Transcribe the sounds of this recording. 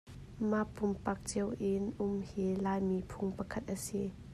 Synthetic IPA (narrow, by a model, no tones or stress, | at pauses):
mapumpɐk̚t͡siəwʔɪnʔʊmhilaːjmipʰuŋpəkʰɐt̪̚ʔəsi